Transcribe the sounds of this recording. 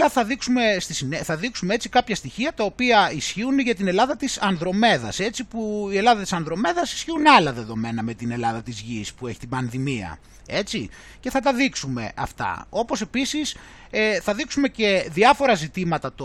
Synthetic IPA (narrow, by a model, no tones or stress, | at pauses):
lɐθɐðiksume̞st̪isineθɐðiksumee̞t͡sikɐpçɐst̪içiɐt̪ɐopiɐisçiunʝɐt̪ine̞lɐðɐt̪isɐnðɾo̞me̞ðɐ̰se̞tt͡sipuie̞lɐðɐt̪i̥sɐnðɾo̞me̞ðɐsi̥sçiunɐlɐðe̞ðo̞me̞nɐme̞t̪ine̞lɐðɐt̪izʝispue̞çi̥t̪ibɐnðimiɐ̰ | e̞t͡si | ce̞θɐt̪ɐðiksume̞̰ʔɐ̰ft̪ɐ̰o̞po̞se̞pisis | θɐðiksume̞ce̞ðiɐfo̞ɾɐzit̪imɐt̪ɐt̪